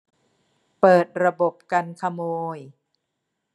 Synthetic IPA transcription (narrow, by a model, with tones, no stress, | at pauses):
pɤː˨˩t̪̚ɾa˧bo˨˩p̚ka˧nkʰa˧moː˧j